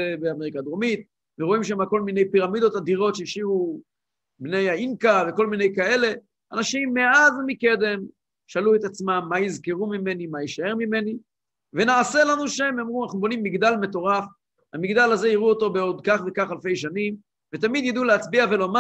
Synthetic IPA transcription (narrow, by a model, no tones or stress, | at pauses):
ebeameikad̪omit̪̚ | veʁo̞imʃemako̞lmine̞jpiʁamid̪o̞t̪had̪iʁo̞tʃeiʃivu | bne̞jainkaveko̞lmine̞jkae̞le̞ | anaʃimːe̞azmike̞d̪e̞m | ʃaluet̪at͡smamːaizke̞ʁumime̞nimajiʃae̞ʁmime̞ni | ve̞naːse̞lanuʃemamʁuanaχnubonimːiɡd̪alme̞to̞ʁaf | amiɡd̪alaze̞iʁuot̪o̞beo̞d̪kaχvekaχalfe̞jʃanim | vet̪̬amid̪jad̪uleat͡sbiave̞loma